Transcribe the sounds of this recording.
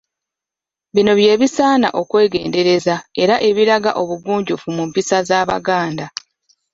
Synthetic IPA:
βino̞βje̞ːβisaːna̰ʔo̞kwe̞ːɡe̞̰ːnde̞ɾe̞zae̞ɾaʔe̞βiɾaɡa̰ʔo̞βuɡuːɲɟufumumpisazaːβa̰ɡaːnda

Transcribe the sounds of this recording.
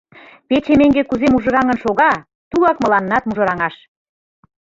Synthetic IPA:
pet͡ɕemeŋɡekuzemuʒɤ̆ɾɑŋə̆nʃoɣɑ | t̪ulɑkmɤ̆lɑnːɑt̪muʒɤ̆ɾɑŋɑʃ

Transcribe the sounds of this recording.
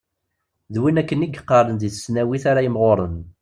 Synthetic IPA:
ðwinækːəniɡqːɑɾˤənd̪iθə̥snæwiθaɾajəmʁoɾˤən

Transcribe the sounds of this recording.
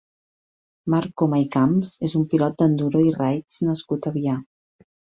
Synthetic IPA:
maɾkomajkamzezumpilɔt̪̚d̪ənd̪uɾoirajt͡snəskut̪əβia

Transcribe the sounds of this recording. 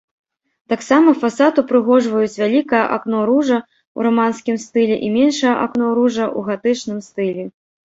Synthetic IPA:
t̪aksamɐfasat̪upɾɨɣɔʐvɐjut͡sʲvʲalʲikɐjɐʔaknɔɾuʐɐ | ṵɾamanskʲimst̪ɨlʲɛʔimʲɛnʂɐjɐʔaknɔɾuʐɐʔuɣat̪ɨt͡ʂnɨmst̪ɨlʲɛ

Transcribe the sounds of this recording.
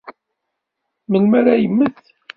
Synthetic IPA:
mənmæɾajəmːəθ

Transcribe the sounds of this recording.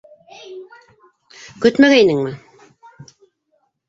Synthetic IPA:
kɵt̪mæɣæinɘŋmɘ

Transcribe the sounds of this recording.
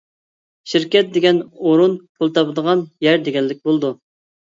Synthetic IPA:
ʃiɾkʲɛt̪̚d̪eɡʲɛnoɾunpʰulˠt̪ʰɑpəd̪əʁɑnjɛɾd̪eɡʲɛnlːɪkʲbolˠd̪u

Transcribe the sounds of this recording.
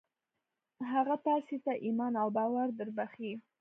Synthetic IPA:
ɦaɣapɑset̪aʔimɑnawbɑwaɾd̪əɾbaxi

